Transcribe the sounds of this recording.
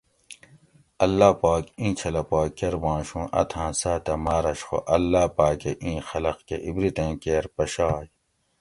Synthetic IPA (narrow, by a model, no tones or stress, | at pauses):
ɐlːaːpaːkĩːt͡ɕʰɐlɐpaːkːeɾbãːʃũːʔɐ̰t̪ʰãːsaːt̪ɐmaːɾɐɕxo̰ʔɐlːaːpaːkeʔĩːxɐlɐqkeʔibɾit̪ẽːkeːɾpɐɕaːj